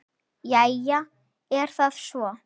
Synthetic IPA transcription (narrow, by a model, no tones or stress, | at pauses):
jaja | ɛɾ̥θað̥svɔ